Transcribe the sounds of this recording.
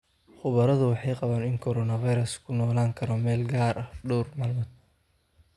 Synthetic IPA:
χʊβɐɾɐðʊwɑħɑjqɑβaːnɪŋkʰɔɾɔnɐvɐjɾɐskʰʊnɔːlaːŋkʰɐɾɔmɛːlɡaːɾʔɐhɖɔwrmɐlmɐd̪̚

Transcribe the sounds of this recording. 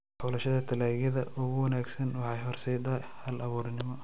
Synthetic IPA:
ħulɐʃɐðɐt̪ʰɐlaːɣjɐðɐʔʊɣʊwɐnaːɡsɐnwɑħɑjhɔrsɛjd̪a | hɐlɐβuːrnɪmɔ

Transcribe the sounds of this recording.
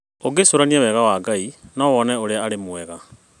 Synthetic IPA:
oɡesoɾaniawɛɣawaːɡainɔwɔnɛoɾeaːɾemwɛɣa

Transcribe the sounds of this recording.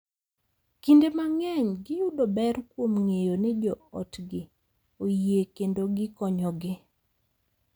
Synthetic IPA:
kindemaŋɛɲɡɪjudobɛrkwomŋejonɛd͡ʒɔɔtɡɪ | ojiekendoɡɪkɔɲɔɡɪ

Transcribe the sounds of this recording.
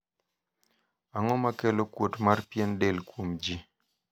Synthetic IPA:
aŋɔmakelokwotmarpjendelkwomd͡ʒi

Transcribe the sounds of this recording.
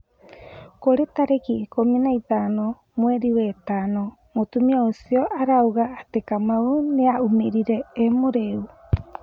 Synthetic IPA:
koɾet̪aɾekikominajt̪ano | moeɾiwetano | mot̪umiaosioʔaɾawɡaːt̪ekamauneaʔumeɾiɾeːmoɾeu

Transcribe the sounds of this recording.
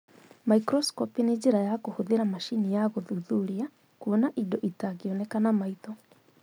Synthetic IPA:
maikɾɔskɔpined͡ʑeɾajakohoðeɾamaʃinijaɣoðuðuɾia | kuonaʔidɔʔitaɣiɔnɛkanamaitɔ

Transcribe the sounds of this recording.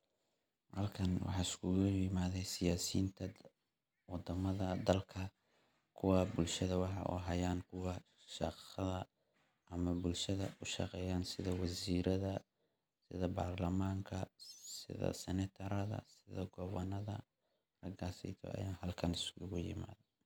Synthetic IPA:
hɐlkʰɐnwɑ̰ħɑːɪskʰʊɣʊɪmaːðɛjsɪjaːsḭːnt̪ʰɐ | wɑd̪ɐmɐðɐd̪ɐlkʰɐ | kʰʊwɑːbʊlʃɐðɐwɑħɑ̰ʔṵɦɐjaːnkʰʊwɑ | ʃɑqɐðɐ | ʔɐmɐbʊlʃɐðɐʔʊʃɑ̰qɛːjaːnsɪðɐwɐsiːɾɐðɐ | sɪðɐbaːrlɐmaːŋkʰɐsɪ̰ðɐ̰sɛnɛt̪ʰɐɾɐðɐ̰sɪðɐɡɔβɐnɐðɐ̰ | rɐɡasɛ̰t̪ʰɔ̰ʔɐ̰jaːnɦɐlkʰɐnɪskʰʊɣʊjɪ̰ma̰ːðɛ

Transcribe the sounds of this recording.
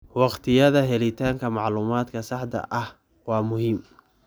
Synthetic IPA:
wɑqt̪ʰɪjɐðɐɦɛlɪt̪ʰaːŋkʰɐmɑʕluːmaːd̪kʰɐsɑħd̪ɐ̰ʔɐh | wɑːmʊɦiːm

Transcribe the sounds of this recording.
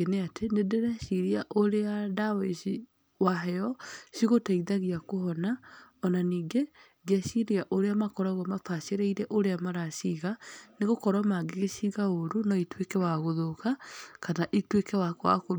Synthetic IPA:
eneatʰenedeɾɛʃiɾiaʔoɾeadaweʃi | waɦɛɔʃiɣotaiðaɣiakohɔnaɔnaniːɡe | ɡeaʃiɾiaʔoɾeamakɔɾaɣɔmafaʃeɾeiɾɛʔoɾeamaɾaʃiɣaneɣokɔɾwamaɡeɣeʃiɣaoɾunɔitwekɛwaɣoðokakanaʔitwekɛwakwa̰ko

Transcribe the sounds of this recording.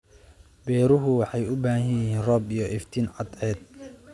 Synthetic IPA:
bɛːɾʊɦʊwɑħɑjʊbaːhɐjɪjɪɦiːnrɔːbijɔʔɪft̪ʰiːnʕɑd̪ʕɛːd̪̚

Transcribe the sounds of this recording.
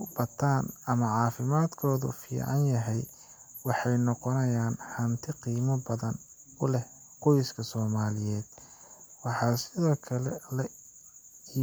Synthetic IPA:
bɐt̪ʰːaːnɐmɐʕɑːfɪmaːd̪kʰɔːðʊ̰fḭːʕɑ̰njɐɦɛj | wɑħɑjnɔqɔnɐjaːnhɐnt̪ʰɪqiːmɐbɐðɐn | ʊlɛh | qɔjskʰɐsɔːmaːlɪjɛːd̪̥wɑħɑːsɪðɔːkʰɐlɛlɐ | i

